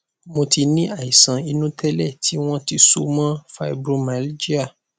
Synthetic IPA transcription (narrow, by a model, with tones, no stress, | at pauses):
mõ˧ti˧nĩ˦a˦˨i˨sã˨i˧nũ˦tʰɛ˦lɛ˦˨tʰi˨˦w̃ɔ̃˦ti˧so˦mã˦fa˧i˨bɾo˧ma˨˦ld͡ʒi˦a˦˨